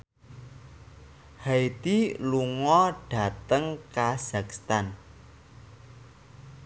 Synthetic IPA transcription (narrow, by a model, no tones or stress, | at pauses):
hajt̪iluŋɔɖ̥a̤t̪əŋkaz̥akst̪an